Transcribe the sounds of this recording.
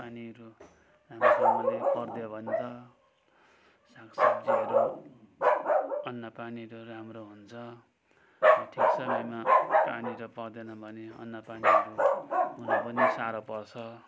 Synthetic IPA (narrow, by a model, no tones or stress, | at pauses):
paniɾo | rampʌrd̪ebʱʌnt̪ʌ | sak | ʌnːʌpaniɾoɾamɾoɦunt͡sʰʌ | ʈʰisʌajmapaniɾopʌrd̪enʌbʱʌneʌ̰nːʌpan | napʌnisaɾopʌrt͡sʰʌ